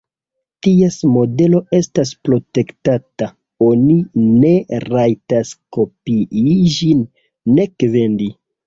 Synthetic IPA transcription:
tiesmo̞de̞lo̞e̞staspɾo̞te̞ktata | o̞nine̞ɾajtasko̞piiʒd͡ʒinː | e̞kve̞ndi

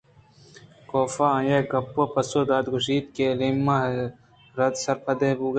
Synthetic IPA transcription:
koːfaːãːjeːɡɐpːopɐsoːd̪aːd̪ɡʊʃiːt̪kelimːa | ɾɐd̪sɐɾpʰɐd̪eːbuːɡɐ

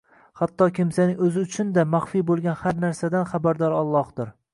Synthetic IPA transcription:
hat̪ʰːɒkʲʰɪmsanɪŋɵzɪʊt͡ʃʰʊnd̪amaχfibolˠɡʲanhaɾnaɾsad̪anχabaɾd̪ɒɾɒlˠːɒhd̪ɪɾ

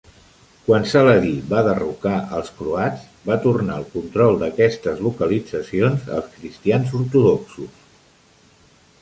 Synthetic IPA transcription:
kwansələðiβaðərukaʔəlˠskɾuadd͡z | bat̪urnaəlˠkunt̪ɾɔlˠd̪əkɛst̪əzlukəlid͡zəsionzə̰lˠskɾist̪ianzuɾt̪uðɔksus

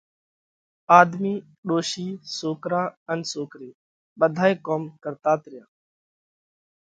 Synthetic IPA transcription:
aːd̪miː | ɗoːʃiːsoːkɾaːənsoːkɾiː | ɓəd̪ʱaːeːkoːmkəɾt̪aːt̪ɾɪjãː

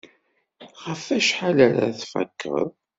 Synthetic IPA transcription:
χəfæʃħalæɾa̰θfæ̰kʰːə̰ðˤ

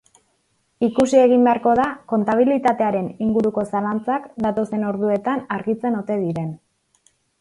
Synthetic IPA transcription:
ikusie̞ɣ̞imbe̞aɾko̞ðako̞nt̪aβ̞ilit̪at̪e̞aɾe̞niŋɡuɾuko̞salant͡sakd̪at̪o̞se̞no̞ɾð̞ue̞t̪anaɾɣit͡se̞no̞t̪e̞ðiɾe̞n

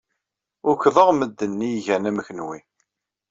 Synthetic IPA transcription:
ʊɾkðˤəʁməd̪ːənːiʝænæmçənwi

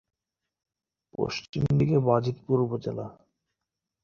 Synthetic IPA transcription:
po̰ʃt͡ɕimd̪ikebad͡ʑit̪puɾubod͡ʑela

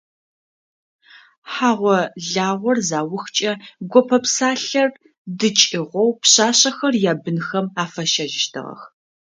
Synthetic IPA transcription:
ħaːʁʷɔɮaːʁʷɔrzaːwʊxt͡ʃʼɐɡʷɔpʰɐpsaːɬɐr | dɨt͡ʃʼɪʁʷɔwpɕaːɕɐxɐrjaːbɨnxɐmaːfɐʃɐʒɪʃtʰɨ̰ʁɐ̰x

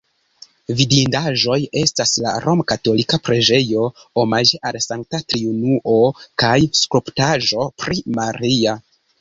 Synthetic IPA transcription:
vidindaʒo̞je̞stasla̰ɾʔo̞mkato̞likapɾed͡ʒe̞jo̞omaʒe̞ʔalsaŋk̚tatɾiunuʔo̞kajskɾuptaʒo̞pɾimaɾia

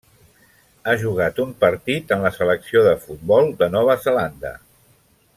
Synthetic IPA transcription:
aʒuɣ̞at̪umpəɾt̪it̪ənləsələksioðəfut̪̚bɔlˠd̪ənɔβ̞əzəland̪ə̰

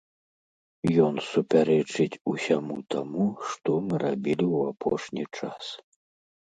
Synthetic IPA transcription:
jɔnsupʲaɾɛt͡ʂɨt͡sʲusʲamut̪amuʂt̪ɔmɨɾabʲilʲiwapʰɔʂnʲit͡ʂas

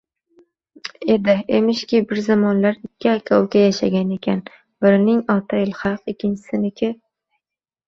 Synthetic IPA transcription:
ed̪ɪemɪʃkʲɪbɪɾzamɒnlaɾɪkʲːɪakʲʰawkʲajaʃaɡʲane̞kʲʰan | bɪɾnɪŋɒt̪ʰajɪlˠhɑlqɪkʲʰːɪnt͡ʃʰɪ̥sɪnɪkʲʰɪ

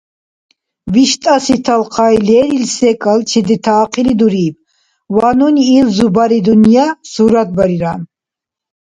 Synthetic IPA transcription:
viʃt̪ʼasit̪ʰalqʰajlɛːɾilsɛkʼalt͡ʃʰid̪it̪ʰaːqʰilid̪uɾiːb̚ | wanuniːlzubaɾid̪unijasuːɾad̪̚baɾiɾan

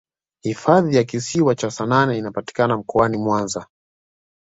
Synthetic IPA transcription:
hifaðijakisiwat͡ʃasananɛinapati̥kanam̩kɔanimwanza

